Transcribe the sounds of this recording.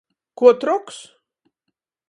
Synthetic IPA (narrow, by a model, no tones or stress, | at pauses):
kut̪ɾɔks